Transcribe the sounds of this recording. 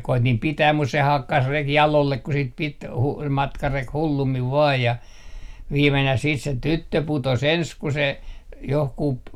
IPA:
koitim pitæːm mus se hɑkːɑs reki jɑlolːek ku sit pit hu mɑtkɑrek hulːumːiʋ ʋɑːj jɑ ʋiːmenæh siːt se tytːø putos ens ku se johkup

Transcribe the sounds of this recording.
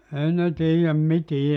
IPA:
ei ne tiːjæm mitiː

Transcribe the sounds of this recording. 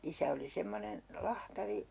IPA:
isæ oli semːonen lɑhtɑri

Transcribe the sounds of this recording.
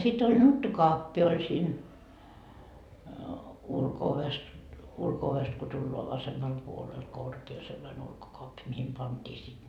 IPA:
sit olʲ nutːukoɑpːi olʲ siːn ulkooʋes ulkooʋest ko tulːoɑ ʋɑsemːɑl puolel korkeː selːɑne ulkokoɑpːi mihim pɑntʲiː sit

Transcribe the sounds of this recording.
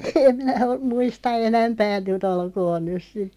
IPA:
em minæ om muistɑ enæmpæː nyt olkoːn nys̆ sit

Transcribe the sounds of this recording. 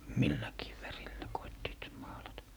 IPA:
milːækiː ʋærilːæ koitːiːt mɑːlɑtɑ

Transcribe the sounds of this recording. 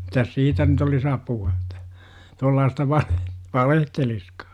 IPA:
mitæs siːtæ nyt olis ɑpuɑ etːæ tuolːɑːstɑ ʋɑle ʋɑlehteliskɑ̥ː

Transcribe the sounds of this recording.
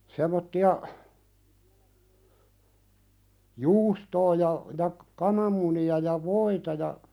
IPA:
semˑotːiɑ juːstoː jɑ jɑ kɑnɑmːuniɑ jɑ ʋoitɑ jɑ

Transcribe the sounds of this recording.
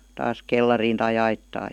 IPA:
tɑːs kelːɑriːn tɑi ɑitːɑː

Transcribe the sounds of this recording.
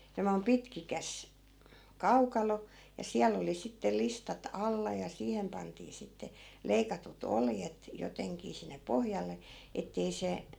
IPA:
semːoi̯m pitkikæs kɑukɑlo jɑ siæl oli sitːel listɑt ɑlːɑ jɑ siːhem pɑntiː sitːe leikɑtut oljet joteŋkiː sinːe pohjɑlːe etːei se

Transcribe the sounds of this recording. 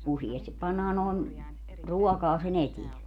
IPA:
usiestip pɑnːɑː noˑen ruɔkɑː sen etiɛ

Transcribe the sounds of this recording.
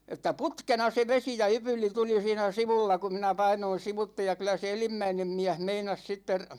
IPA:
etːæ putkenɑ se ʋesi jɑ ypylˑi tuli siːnæ siʋulːɑ ku minæ pɑinoin̞ siʋutːe jɑ kylæ se elimːæinem miæh meinɑs sitːer

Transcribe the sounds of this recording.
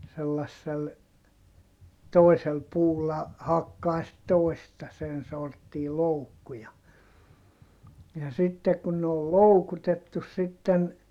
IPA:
selːɑsːel toi̯sel puːlːɑ hɑkːɑː sit toistɑ sen sortːiː loukːu jɑ jɑ sitːe kun ne ol loukutetːus sitːen

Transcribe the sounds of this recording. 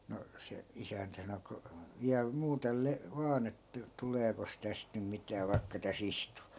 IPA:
no se isæntæ sɑno ku ʋiæl muːtel le ʋɑːn etːæ tuleːkos tæst nym mitæː ʋɑi̯kːɑ tæs istu

